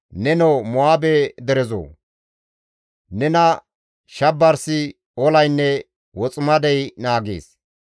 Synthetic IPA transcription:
nɛnomɔaːbɛd̪ɛɾɛzo̰ː | nɛnɐ | ʃɐbːɐɾsɪ | ɔlɐjnːɛ | wɔt͡sʼʊmɐd̪ɛjnaːɡḛːs

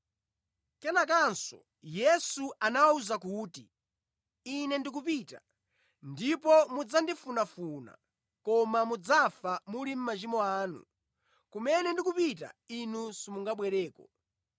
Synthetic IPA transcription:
kɛnak̬ansɔ̰ | jɛsuanawauzak̬uːti | inɛndik̬upita̰ | ndipɔmud͡zandifunafuna̰ | kɔmamud͡zafamulim̩mat͡ʃimɔaːnṵ | kumɛnɛndik̬upita̰inusimuŋɡaɓwɛɾɛːkɔ

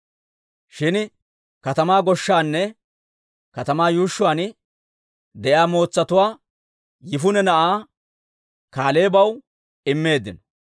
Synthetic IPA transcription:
ʃɪn | kɐt̪ɐmaːɡɔʃːaːnːɛ | kɐt̪ɐmaːjuːʃːʊwaːn | d̪ɛʔjaːmo̞ːt͡sːɐt̪ʊwaː | jɪfʊnɛnɐʔaː | kaːle̞ːbɐw | ɪmːe̞ːd̪ːɪnɔ̥

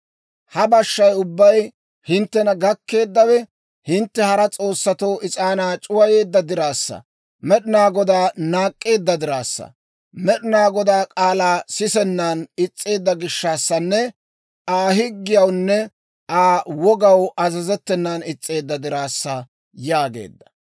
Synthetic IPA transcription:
hɐbɐʃːɐjʊbːɐj | hɪnt̪ːɛnɐɡɐkːe̞ːd̪ːɐwɛ | hɪnt̪ːɛhɐɾɐt͡sʼo̞ːsːɐt̪o̞ːʔɪt͡sʼaːnaːt͡ʃʼʊwɐje̞ːd̪ːɐd̪ɪɾaːsːɐ̰ | mɛɗɪnaːɡɔd̪aːnaːkʼːe̞ːd̪ːɐd̪ɪɾaːsːɐ̰ | mɛɗɪnaːɡɔd̪aːkʼaːlaːsɪsɛnːaːnɪt͡sʼːe̞ːd̪ːɐɡɪʃːaːsːɐnːɛ | aːɦɪɡːɪjɐwnːɛ | aːwɔɡɐwɐzɐzɛt̪ːɛnːanɪt͡sʼːe̞ːd̪ːɐd̪ɪɾaːsːɐ | jaːɡe̞̰ːd̪ːɐ̥

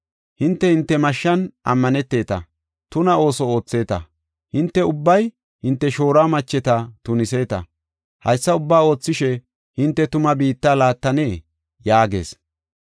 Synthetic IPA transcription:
hɪnt̪ːɛhɪnt̪ːɛmɐʃːɐnʔɐ̰mːɐnɛt̪ːe̞ːt̪ɐ | t̪ʊnɐo̞ːsɔo̞ːt͡sːe̞ːt̪ɐ̰ | hɪnt̪ːɛʊbːɐj | hɪnt̪ːɛʃo̞ːɾaːmɐt͡ʃːɛt̪ɐt̪ʊnɪse̞ːt̪ɐ̰ | hɐ̰jsːɐʊbːaːo̞ːt͡sːɪʃɛ | hɪnt̪ːɛt̪ʊmɐbiːt̪ːaːlaːt̪ːɐne̞ː | jaːɡe̞̰ːs

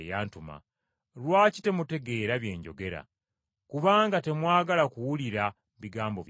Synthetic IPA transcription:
jaːntuma̰ | ɾwaːci̥te̞mute̞ɡe̞ːɾaβje̞̰ːɲɟo̞̰ɡe̞ɾa̰ | kuβaːŋɡate̞mwaːɡalakuwuliɾa | βiɡaːmbo̞̰β

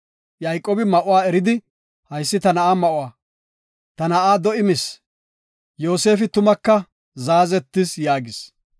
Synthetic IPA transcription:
jɐjkʼːoːbɪmɐʔʊwaːɛɾɪd̪ɪ | hɐjsːɪt̪ɐnɐʔaːmɐʔʊwaː | t̪ɐnɐʔaːd̪ɔʔɪmɪs | joːse̞ːfɪt̪ʊmɐkːɐ | zaːzɛt̪ːɪsjaːɡɪs

